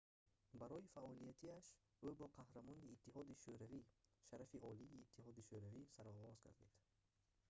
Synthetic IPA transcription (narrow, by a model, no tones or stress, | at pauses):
baɾɔifaɔlijat̪ʰiaʃ | ubɔqʰahɾamɔniːt̪ːiɦɔd̪iʃuɾaviʃaɾafiʔɔliːt̪ʰːiɦɔd̪iʃuɾavisaɾɔʁɔzɡa̰ɾd̪id̪̥